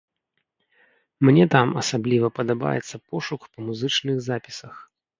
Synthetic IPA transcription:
mnʲɛt̪amɐsablʲivɐpɐd̪aba̰jɛ̰t̪sːɐpɔʂukpɐmuzɨt͡ʂnɨɣzapʲi̥sɐx

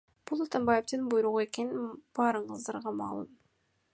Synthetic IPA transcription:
b̥ulˠat̪ambajeft̪ɯnbujɾuʁue̞ke̞ninb̥ɑːɾɯɴqəzd̪ɑɾʁɑmɑ̰ːlˠɯ̰m

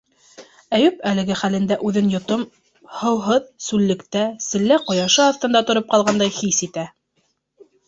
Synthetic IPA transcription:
æjʉpælɘ̆ɡɘχælɘ̆nd̪æʔʉðɘnjŏt̪om | hɤ̆wɦɤðsʉlːɘ̆kt̪æsɘ̆lːæqŏjɑʃɤɑθt̪ɤ̆nd̪ɑt̪ŏɾop̚qɑlˠʁɑnd̪ɑjχisit̪æ

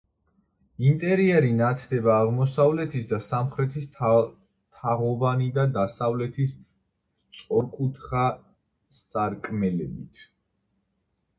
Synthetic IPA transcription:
int̪ʼɛɾiɛɾinat̪sʰd̪ɛbaːʁmɔsavlɛt̪ʰisd̪asamχɾɛt̪ʰis | t̪ʰaʁɔvanid̪ad̪asavlɛt̪ʰis | t̪sʼɔɾkʼut̪ʰχa | saɾkʼmɛlɛbit̪ʰ

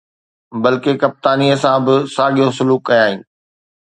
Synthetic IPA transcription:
bɐlkekɐp̚t̪aːniəsãbɪsaːɠijõsʊluːkːɐjaːɦĩː

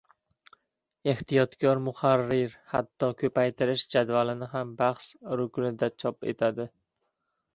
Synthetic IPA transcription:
e̞ht̪ijɒt̪kʲʰɒɾmʊχaɾːɪɾhat̪ːɒkʲʰɵpʰajt̪ʰɪɾɪʃd͡ʒad̪valɪnɪɦambaχsɾʊkʲʰnɪd̪at͡ʃʰɒpe̞̰t̪ʰad̪ɪ

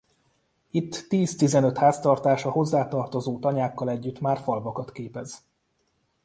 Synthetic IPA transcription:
it̪ːiːzt̪izɛnø̞t̪haːst̪ɒrt̪aːʃɒho̞zːaːt̪ɒrt̪o̞zoːt̪ɒɲaːkːɒlɛɟːyt̪maːrfɒlvɒkɒt̪keːpɛz̥

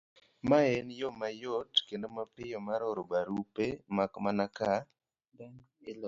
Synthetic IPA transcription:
maɛnjomajotkendomapɪjomaɾɔɾobaɾupemakmanaka

